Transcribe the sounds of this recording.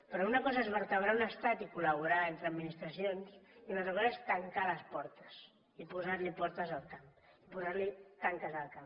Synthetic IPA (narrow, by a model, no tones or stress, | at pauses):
pɾɔunɐkɔzaezβəɾt̪əβ̞ɾaunəst̪at̪ikuləβ̞uɾaent̪ɾəːd̪minist̪ɾəsionsiunat̪ɾəaɾaest̪əŋkaləspɔɾt̪ə̥s | ipuzaɾlipɔɾt̪əzəlˠkamipuzaɾlit̪aŋkəzəlˠkam